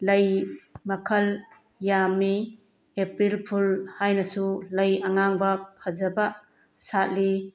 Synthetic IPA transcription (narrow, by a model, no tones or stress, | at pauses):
lɐjmɐkʰɐl | jamːi | epɾilpʰulhajnɐsulɐjɐŋaŋbɐpʰɐzɐbɐ | sat̚li